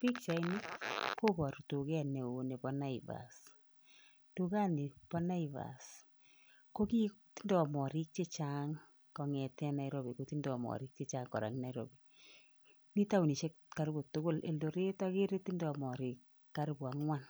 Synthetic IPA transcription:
pi˦k̚t͡ʃa˨i˦ni˦ko˦bɔ˨ɾtu˨kɛ˦ne˨wo˨ne˨pɔ˦na˦ɪ˨va̰˨s | tu˨ka˦ni˨pɔ˦na˦i˨va̰˨s | ko˦ki˦ti˦ndɔ˨mɔ˨ɾi˦k̚t͡ʃe˦t͡ʃa˦ŋ | kɔ˨ŋɛ˨tɛ˦na˨i˦ɾo˦bi˨ko˨ti˦ndɔ˨mɔ̰˨ɾi˦k̚t͡ʃe˦t͡ʃa˦ŋkɔ̰˨ɾa̰˨ŋ˦na˨˦i˦ɾo̰˨bi˨ | ni˦ta˦wni˨ʃe˦ka˨ɾbo˨tʊ˦ko˦˨lḛ˨ldo˨ɾe˦tɔ˦ke˦ɾe˦ti˦ndɔ˨mɔ˨ɾi˨kː | a˦ɾbwa˨ŋwa˦n

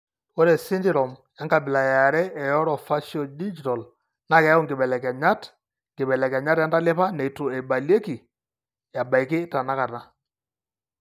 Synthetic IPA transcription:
wɔ˦ɾɛ˨sɪ˦ndɪ˦ɾɔ˨mja˦ŋɡa˨bɪ˨la˨ja˨ɾɛ˦ɛ˨jɔ˦ɾɔ˨fa˦ʃɔ˨di˦d͡ʒi˨tɔ˨l | na˦kɛ˨˦ʊ˦˨ŋɡɪ˨bɛ˨lɛ˨kɛ˨ɲa˦t | ŋɡɪ˨bɛ˨lɛ˨kɛ˨ɲa˦tja˦nda˦lɪ˦pa˦nɛ˨i˨tʊ˨ɛ˨ba˨lje˦ki˨ | ja˨ba˨i˨kɪ˦ta˨na˦ka˨na˦

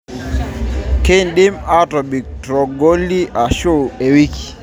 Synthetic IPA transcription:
ke˦ndɪ˦ma˦tɔ˨bi˨k̚tɾɔ˨ɡo˦li˦ʔa˨ʃo˦e˨wi˦ki̥

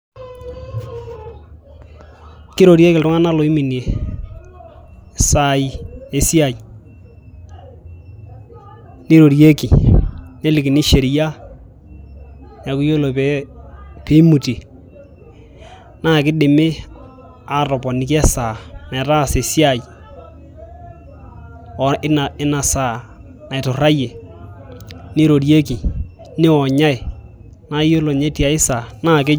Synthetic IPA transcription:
kɪ˦ɾo˨ɾje˦kɪ˨ltʊ˦ŋa˦na˦lo˨i˦mi˨nje˨ | sa˨i˨e˨si˦a˨i˨ | ni˦ɾo˨ɾje˦ki˨ne˦lɪ˨kɪ˨nɪ˦ʃe˨ɾi˨ja˦ | na˨ku˦jo˦lo˨pɛ˦pe˦mu˨ti˨ | naː˦˨kɪ˦dɪ˨mɪ˦ | a˨ɾɔ˨pɔ˨nɪ˨k̬ɛ˦saː˨nɛ˨ta˦˨se˨si˦a˦˨j | ɔ˨ɪ˦na˨ɪ˦na˨saː˨ | na˨ɪ˨tʊ˨ra˦je˨ | nɪ˦ɾo˨ɾje˦ki˨ | nɪ˦ɔ˨ɲa˦ɪ˨ | na˦jo˦lo˨ɲe˦ti˦a˨ɪ˦sa˨naː˦˨k̬ɪ˦

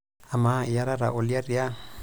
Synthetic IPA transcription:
a˨mai˨ja˦ɾa˦ɾa̰˨ʔo˨lia˦ɾia˦

